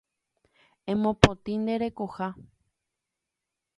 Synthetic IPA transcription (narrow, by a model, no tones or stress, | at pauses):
ẽmõpõt̪ĩnd̪e̞ɾe̞koha